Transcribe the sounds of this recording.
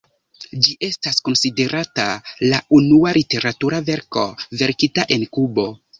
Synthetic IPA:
d͡ʒiʔe̞stasko̞nside̞ɾʔatalaunualite̞ɾatuɾave̞ɾko̞̰ve̞ɾkitaʔe̞nkubo̞

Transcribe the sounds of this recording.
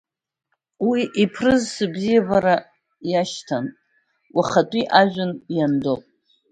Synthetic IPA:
wiʔipʰrɨzsɨbzijabaɾa | jaʃtʰanʼ | wʷaχatʷʼiʔaʒᶣʷʊnjandopʼ

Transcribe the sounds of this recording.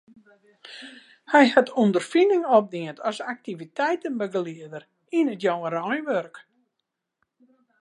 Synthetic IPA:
hɛjhatʰundərfinɪŋɔp̚diəntʰɔsak̚tivitʰɛjtənbəɡəliədəɾ | inətjowəɾɔjʋørk

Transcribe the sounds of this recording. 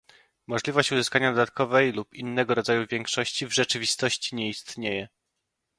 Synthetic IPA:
mɔʐlʲivɔɕt͡ɕuzɘskaɲad̪ɔd̪at̪̚kɔvɛjlupinːɛɡɔɾɔd̪zajuvʲjɛŋkʂɔɕt͡ɕivʐɛt͡ʂɘvʲist̪ɔɕt͡ɕiɲɛist̪ɲejɛ

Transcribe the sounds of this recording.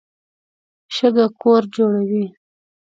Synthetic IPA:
ʃəɡakoɾd͡ʒoɽawi

